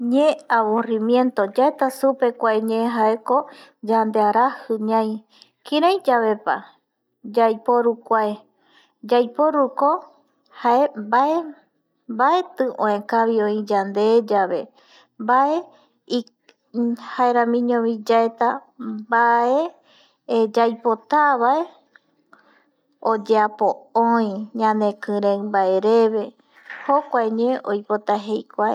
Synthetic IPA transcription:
ɲẽaβõrimjẽ̞nt̪o̞d͡ʒaet̪asupe̞kʷaeɲẽɦaeko̞d͡ʒand̪eaɾahɨɲãj̃ | kĩɾãj̃d͡ʒaβe̞pa̰ | d͡ʒajpoɾukʷae | d͡ʒajpoɾuko̞ | haebae | baet̪ɨʔõẽkaβiõĩd͡ʒand̪ed͡ʒaβe̞ | mbae | i | haeɾãmĩɲõβĩd͡ʒaet̪abae | d͡ʒajpot̪aβae̞ | od͡ʒeapooĩɲãnekɨ̃ɾẽɰmbaeɾe̞βe̞ | hokʷaeɲeʔojpot̪aɦe̞jkʷae

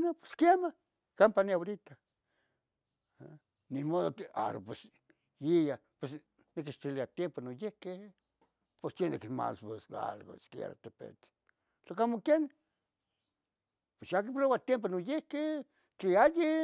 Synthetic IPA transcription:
nape̥skema | kampaniaoɾit̪a | nimoðoka̰ɾo̰pes | jijapwes | nek̬iʃt̪iliat̪jemponojehke | pesenekima̰lpesɡa̰lɡo̰skeḛɾa̰t̪epḛt͡s | sokamokjen | pesjakip̬lowat̪jemp̬onojehke | keaji

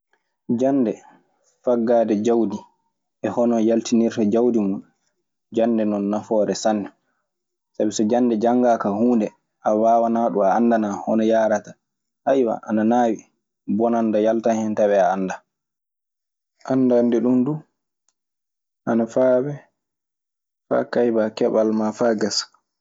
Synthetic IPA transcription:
d͡ʒanːdɛ | faɡːaːdɛd͡ʒawdi | ʔɛhɔnɔjaltiniɾtad͡ʒawdimunɗu | d͡ʒandɛnɔnːafɔːɾɛsanːɛ | sabisɔd͡ʒandɛd͡ʒaŋɡaːkahuːndɛ | ʔawaːwanaɗuaːnːdanahɔnɔjaːɾata | hajwa̰ʔa̰nanaːwi | bɔnandajaltanhɛntaβɛaːnːda | ʔandandɛɗundu | ʔanafaːbɛ | fa̰ːkajbakɛɓalmafaɡas

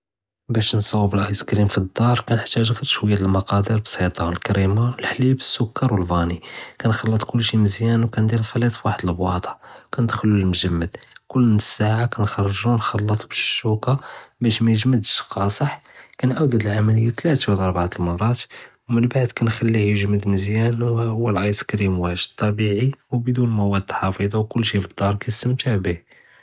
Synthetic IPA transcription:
bæʃnsˤɑwːbəlʔɑjskɾimfid̪ːɑɾˤkænħt̪ːæʒɣəɾʃwəjːæləlmɑqɑd̪əɾbsˤit̪ˤɑnəlkæɾimawəlħlibə̥sːʊkːɑɾwəlbɑnikænxɑlːət̪ˤkʊlːʃiməzjænwkænd̪ilxɑlit̪ˤfwaħəd̪əlbwɑ̰t̪ˤɑkænəd̪xlːulmʒəmːəd̪kʊlːnəsːaʕakænxɑrˤːʒunxɑlːət̪ˤbəʃːukabæʃmæjəʒməd̪əʃqɑsˤəħkænʕawd̪æd̪əlʕamæləjːat̪læt̪awlɑɾˤbʕat̪əlmɑrˤːɑt̪wmənbaʕd̪kænxælːihjəʒməd̪məzjænwːælʕɑjskɾimwæʒt̪ˤːɑbiʕiwbəd̪unmæwæd̪lħɑfəd̪ˤɑwkʊlːʃifəd̪̥ːɑɾˤkæjst̪əmt̪ʰabih

